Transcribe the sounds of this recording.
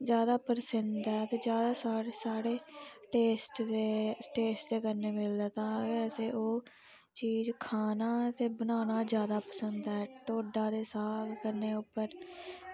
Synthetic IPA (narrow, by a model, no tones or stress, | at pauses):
d͡ʒjaːd̪aːpəɾsənd̪ɛːt̪eːd͡ʒjaːd̪aːsaːsaːɽeːʈeːsʈd̪eːʈeːsʈd̪eːkəɾneːmɪld̪aːt̪ãːəseːʔoː | t͡ʃiːd͡ʒkʰaːnaːt̪eːbənaːnaːd͡ʒjaːd̪aːpəsənd̪ɛːʈoːɖaːd̪eːsaːɡkəɾneːʊpːəɾ